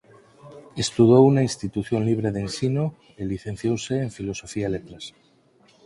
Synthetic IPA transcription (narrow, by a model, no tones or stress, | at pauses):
est̪uðowunainst̪it̪uθjonliβ̞ɾeðensino | eliθẽn̟θjowseːɱfilosofialet̪ɾas